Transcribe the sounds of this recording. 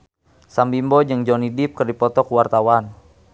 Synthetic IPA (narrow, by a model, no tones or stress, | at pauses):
sambimbɔd͡ʒɨŋd͡ʒɔnidip̚kərdipɔt̪ɔkuwart̪awan